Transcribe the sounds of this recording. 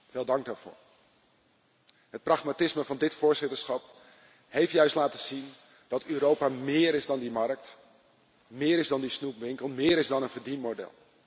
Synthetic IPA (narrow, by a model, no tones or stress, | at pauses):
vɪːlˠdɑŋɡ̚daːɹv̥o̰ːɹ | ɦət̚prɑχmatɪsməvɑndɪtfʊːɹzɪtəɹsχɑp | hejftjœɥstlaːtəzin | d̥ɑtøːɾowpaːmɪːɾɪzdɑndimɑɹk̚t | mɪːɾɪzdɑndisnupʋɪŋkəlˠmɪːɾɪzdɑnənvəɹdinmodɛ̰lˠ